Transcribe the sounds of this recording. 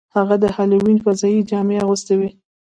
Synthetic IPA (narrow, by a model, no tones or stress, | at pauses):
haɣad̪əhɑliwinfazɑjid͡ʒɑmeaɣust̪awi